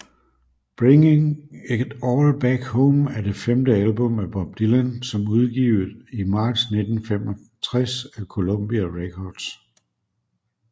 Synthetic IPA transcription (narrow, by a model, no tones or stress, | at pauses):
b̥ʁeŋeŋed̥ɒːlb̥æɡ̥hɔʊmæɐd̥e̝femd̥əælb̥ɔ̽mæb̥ɒ̽b̥̚d̥ilænsɒ̽muð̞ˠɡ̥ḭːʊð̩ˠimɑ̈ːd̥sne̝d̥n̩femɒ | t͡sʰʁasækʰo̝lom̰b̥iæʁekʰɒːd̥s